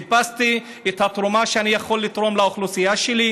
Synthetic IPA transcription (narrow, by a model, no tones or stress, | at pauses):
past̪i | et̪hat̪ʁumaʃeanijaχo̞lːit̪ʁo̞mlaoχlusijaʃeli